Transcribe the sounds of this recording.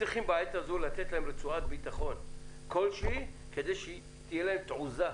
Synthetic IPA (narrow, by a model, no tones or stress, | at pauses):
iχimbaajat̪azolat̪et̪laemlet͡suat̪̚bit̪aχo̞nko̞lʃi | ke̞d̪ejʃe | t̪ijelahemt̪ʕuza